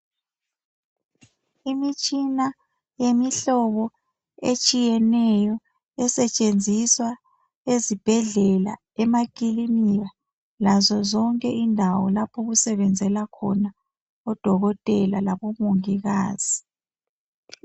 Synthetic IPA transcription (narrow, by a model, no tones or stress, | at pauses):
imit͡ʃʼina | jemiɬɔβɔ | et͡ʃʼijɛnɛjɔ | ɛsɛt͡ʃʼend͡zʱiswa | ezib̥ʱɛɮɛla̰ | ɛmakʼilimija | lazɔzɔŋkʼɛʔindʱawɔ̰lapʰɔɣusɛβɛnd͡zʱɛlakʰɔ̰na | ɔd̥ʱɔɣɔtʼɛlalaβɔmoŋiɣaːz̥i